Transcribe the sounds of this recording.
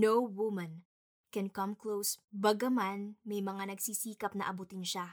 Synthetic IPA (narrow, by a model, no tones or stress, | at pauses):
nowwʊmɐ̃n | kɛ̃nkɐmklowsbɐɡɐmanmɐjmɐŋanɐɡsisiːkɐp̚nɐ̰ʔɐbuːt̪ɪnʃa